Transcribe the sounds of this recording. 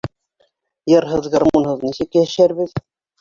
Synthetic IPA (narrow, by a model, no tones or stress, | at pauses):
jɤ̆ɾɦɤðɡɑrmonhɤðnisɘkjæʃæɾβɘð